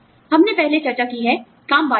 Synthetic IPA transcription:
hɐmnepɛɦlet͡ʃɐɾt͡ʃakiɦɛː | kaːmʋaː

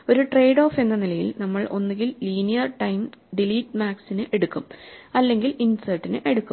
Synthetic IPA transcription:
o̞ɾuʈre̞jɖo̞ːfe̞nːɐnilɐjḭlnɐmːɐɭʔo̞nːuɡilliːnijɐrʈɐjmɖiliːʈːmaːksinɨʔe̞ɽukːumɐlːe̞ŋɡilinsɐrʈːinɨʔe̞ɽukːum

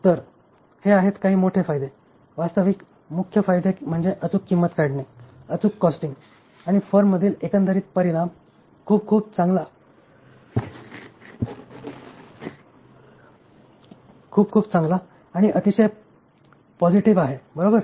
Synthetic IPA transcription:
t̪əɾ | heaɦet̪kaɦiːmoʈʰefajd̪e | ʋast̪əʋik | mukʰjəfajd̪em̤əɳd͡zeʔət͡sukːimːət̪kaɽneət͡sukːɔsʈiŋɡ | aɽ̃ifəɾmːəd̪ʱiːlekənd̪əɾiːt̪̚pəɾiɽ̃am | kʰuːb̚kʰuːb̚t͡saŋɡla | kʰuːb̚kʰuːbt͡sãŋɡlaː | ɽ̃iʔət̪iɕəj | pɔd͡ʑiʈiʋaɦebəɾobəɾ

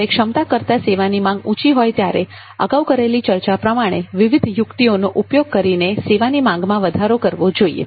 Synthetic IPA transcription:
ekʂəmt̪akəɾt̪aseʋanimãŋɡũt͡ʃiɦɔjt̪jaɾe | ə̰ɡaukəɾelit͡ʃəɾt͡ʃapɾəmaɽ̃eʋɪʋid̪ʱjʊkt̪ionoʔupjoɡ̚kəɾineseʋanimãŋ̆ɡmãʋəd̪ʱaɾokəɾʋod͡ʒoḭḛ

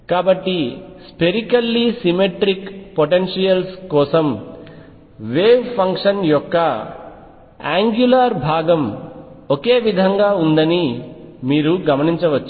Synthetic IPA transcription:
kaːbɐʈːispeɾikɐlːisimeʈɾikpoʈenʂijɐlskɔːsɐm | ʋeːʋpʰɐŋkʂɐnjɔkːɐ | a̰ːŋɡjulaɾbʱaːɡɐmoke̞ːʋid̪ʱɐŋɡaːund̪ɐnimiːɾuɡɐmɐniɲt͡ʃɐʋɐt͡ʃːu

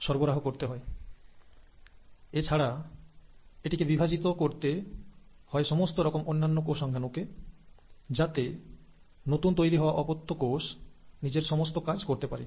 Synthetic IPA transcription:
ʃɔɾboɾaɦokoɾt̪eɦɔe | et͡ɕʰaɽa | eʈikebibʱad͡ʑit̪okoɾt̪e | hɔeʃɔmost̪oɾɔkomʔonːanːokoʃɔŋɡʱanoke | d͡ʑat̪e | not̪unt̪ojɾiɦɔaʔɔpot̪ʰːokoʃnid͡ʑeɾʃɔmost̪okad͡ʑʱkoɾt̪epaɾi

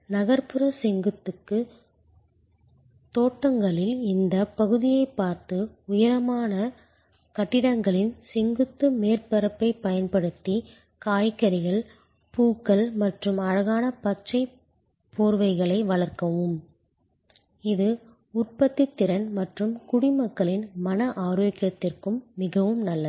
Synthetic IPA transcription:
nɐɣɐɾpɯɾɐsɛŋɡɯt̪ːɯkːɯ | t̪oːʈːɐŋɡɐɭɪlɪnd̪ɐpɐɣɯðɪjɐɪpːaːɾt̪ɯʊjɐɾɐmaːnɐ | kɐʈːɪɽɐŋɡɐɭɪnsɛŋɡɯt̪ːɯmeːrpɐɾɐpːɐɪpɐjɐnpɐɽɯt̪ːi | kaːjkːɐɾɪɣɐɭ | puːkːɐlmɐʈrɯmɐɻɐɣaːnɐpɐt͡ʃɐɪ | poːɾʋɐɪɣɐɭɐɪʋɐɭɐrkɐʋɯm | ɪðɯ | ʊrpɐt̪ːit̪ːɪɾɐnmɐʈrɯmkʊɽɪmɐkːɐɭɪnmɐnɐʔaːɾoːkjɐt̪ːɪrkɯmːɪɣɐʋɯmnɐlːɐ

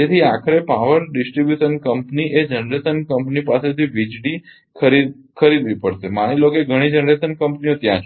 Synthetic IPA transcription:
et̪ʰiakʰəɾepaʋəɾɖɪsʈɾibjuʃənkəmpniʔed͡ʒənɾesənkəmpnipaset̪ʰiʋid͡ʒɽi | kʰəɾi | kʰəɾid̪ʋipəɽʃemaɽ̃iloɡeɡʱəɽ̃id͡ʒənɾesənkəmpniot̪jãt͡ʃʰ

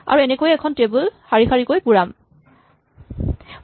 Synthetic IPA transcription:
a̰ɹuɛnɛkojɛkʰɔntebulxaɹixʰaɹikojpuɹam

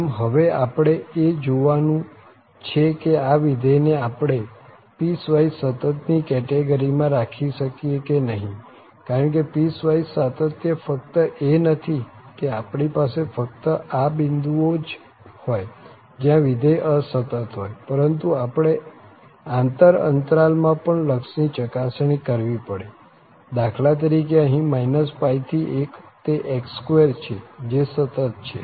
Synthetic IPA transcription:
mɦəʋeapɽ̃eed͡ʒoʋanũ | t͡ʃʰekeaʋid̪ʱəjneapɽ̃e | pisʋaisət̪ət̪nikɛʈeɡəɾimãɾakʰiʃəkiekenəɦĩ | kaɾəɳk̬episʋaisət̪ət̪jəfək̚t̪əʔenət̪ʰikeapɳ̃ipasefək̚t̪əʔabind̪uod͡ʒ | hoj | d͡ʒjãʋid̪ʱəjəsət̪ət̪ɦojpəɾənt̪uapɽ̃e | ãnt̪əɾə̰nt̪ɾalmãpəɳləkʃnit͡ʃəkasɳ̃ikəɾʋipəɽe | d̪akʰlat̪̬əɾik̬eəɦĩmainəspajt̪ʰiʔekt̪eʔekskoeɾt͡ʃʰed͡ʒesət̪ət̪̚t͡ʃʰḛ

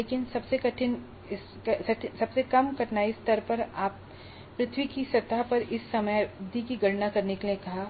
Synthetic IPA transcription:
leːkɪnsɐbsekɐʈʰɪn | ɪs | ɐsɐʈʰsɐbsekɐmkɐʈnaɪst̪ɐɾpɐɾaːpː | ɾɪt̪ʰwikisɐt̪apɐɾɪsːɐməjd̪ʱikiɡɐɽnakɐɾnekeliekɐɦaː

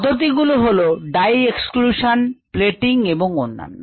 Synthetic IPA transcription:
ɔd̪ʱoɾt̪̬iɡuloɦoloɖajekskluʃanpleʈiŋeboŋonːa̰nːo

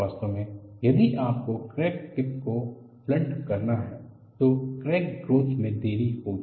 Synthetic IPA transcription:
aːst̪õmẽjɐd̪iʔaːp̚kokɾɛːkʈɪp̚ko | plɐ̃ɳʈkɐɾnaɦɛ | t̪okɾɛːk̚ɡɾoːt̪ʰmẽd̪eːɾiɦoːɡi

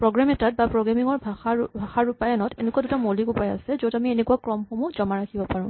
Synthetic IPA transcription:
pɹoɡɹamɛtat̚bapɹɔɡɹamiŋɔɹbʱaxabʱaxaɹupajanɔtenɛkuadutamolikupaja̰sɛzotamienekuakɹɔmxomuzɔmaɹakʰibɔpaɹũ

